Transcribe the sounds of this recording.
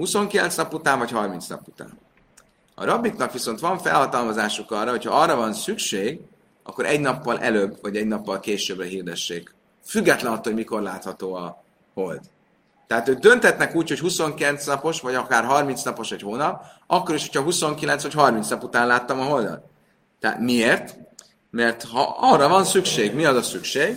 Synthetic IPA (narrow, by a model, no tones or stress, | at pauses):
huso̞ŋkilɛ̰nsnɒput̪aːɱvɒchɒrminsnɒ̰put̪a̰ːn | ɒ̰ɾɒbːiknɒkʋiso̞nt̪ʋɒɱfɛ̰lhɒt̪ɒlmɒzaːʃukɒrːɒɦo̞chɒɒrːɒvɒnsykʃeːɡ | ɒ̰kːoɾʔɛɟnɒpːɒlʔɛløbːvɒɟɛɟnɒpːɒlkeːʃøːbrɛɦiːrd̪ɛʃːeːk | fyɡːɛt̪lɛnɒt̪ooɟmiko̞rlaːt̪hɒt̪oːɒ | ho̞ld̪ | t̪ːɛɦaːt̪øːɡ̚d̪ønt̪hɛt̪nɛkuːcho̞chuso̞ŋkilɛnt̪snɒpo̞ʃvɒɟɒkaːrɦɒrmint̪snɒpo̞ʃɛchoːnɒpɒkːo̞ɾiʃho̞cʰhɒɦuso̞ŋkilɛnsvɒchɒrminsnɒput̪aːnlaːt̪ːɒmɒɦo̞ld̪ɒ̰lt̪ | t̪ɛa̰t̪mieːrt̪ | mɛrt̪hɒ̰ɒrːɒvɒnsykʃeːɡmiɒzɒsykʃeːɡ